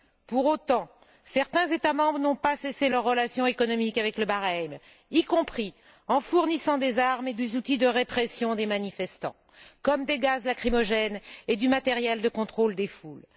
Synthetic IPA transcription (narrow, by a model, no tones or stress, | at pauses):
puʁot̪ɑ̃ | sɛʁt̪ɛ̃zet̪amɑ̃bʁənɔ̃paseselœʁːəlasjɔ̃ekɔnɔmikavɛkləbaʁɛm | ikɔ̃pχi | ɑ̃fuʁnisɑ̃d̪ezaʁmed̪ezut̪id̪əʁepχesjɔ̃d̪emanifɛst̪ɑ̰̃ | kɔmd̪eɡazlakχimɔʒɛned̪ymat̪ɛʁjɛld̪əkɔ̃t̪χold̪eful